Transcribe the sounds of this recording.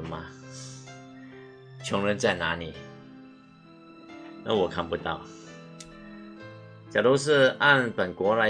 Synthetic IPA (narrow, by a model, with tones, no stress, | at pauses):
ə˦nma˧ | t͡ɕʰjʊ˧˥ŋɻə˧˦nt͡sa˥˩ɪna˧˥ni˨˩˦ | na̰˥˩wɔ˨˩kʰa˥˨npu˧t̪ɑ̰˥˩ʊ | t͡ɕja˨˩lu˥˧ʂ̬ɻ̩˥˧a˥˩npə˨˩nkwɔ˧˥la˧˥